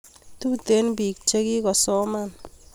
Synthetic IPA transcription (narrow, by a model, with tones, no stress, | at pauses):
tu˦te˨˦nbi˨k̚t͡ʃe˦ki˦kɔ˨sɔ˦ma˦˨n